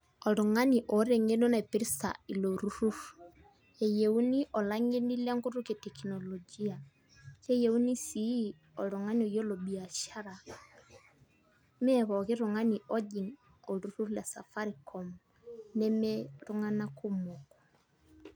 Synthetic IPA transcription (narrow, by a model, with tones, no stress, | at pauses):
ɔ˨lʊ˨ŋa˦ni˨ʔɔ˨˦ɾe˨ŋe˦no˦na˨i˨pi˦ɾi˦sa̰˨i˨lo˨ɾu˦ɾu˦ɾ | e˨je˨u˦ni˦ʔɔ˨la˦ŋe˦ni˦la˦ŋɡu˦ɾu˦ke˨tɛ˨kinɔ˨lɔ˨d͡ʒi˦a˨ | ke˦je˨u˦ni˦si˨˦ | ɔ˨ɾʊ˨ŋa˦ni˨ɔ˨jo˦lo˨ɓi˨a˨ʃa˦ɾa˨ | mɛ˦βɔ˨kɪ˦ɾʊ˨ŋa˦ni˨ʔɔ˦ʄi˨ŋ | o˨ɾu˨ɾu˦ɾla˨sa̰˨fa˦ɾi˨kʰɔ˨m | nɛ˦mɛ˦ɾʊ˦ŋa˦na˦ku˦mo˨kɔ̥˨